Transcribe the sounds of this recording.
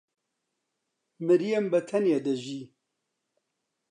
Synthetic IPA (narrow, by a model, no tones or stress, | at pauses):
mɨɾijembɐt̪ʰɐnjed̪ɐʒi